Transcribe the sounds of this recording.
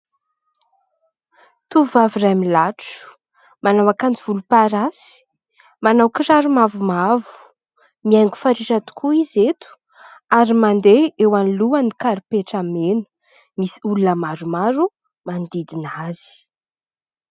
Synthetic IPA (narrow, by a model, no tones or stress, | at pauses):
t̪uvaviɾajmilaʈ͡ʂu̥ | manawakand͡ʒiv̥ulupaɾasi̥ | manawkiɾaɾumavumavu̥ | miajŋɡu̥faɾiɾat̪u̥kʰuizet̪u̥ | aɾimand̪eewanluənikaɾupeʈ͡ʂamenu̥ | misi̥ulunəmaɾumaɾu | mand̪id̪inazi̥